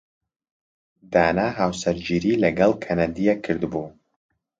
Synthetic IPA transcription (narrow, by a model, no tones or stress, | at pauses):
d̪aːnaːɦaːwsɛɾd͡ʒiːɾiːlɛɡɛlkʰɛnad̪ijekʰɨɾd̪ɨbuː